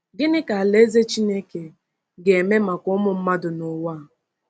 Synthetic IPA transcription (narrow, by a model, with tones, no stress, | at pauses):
ɡɪ˦nɪ˦ka˨a˨le˦ze˦t͡ʃi˦ne˦ke˨ | ɡe˨me˦ma˨kʊ˦mʊ˨m̩˦ma˦dʊ˨nʊ˨waː˦˨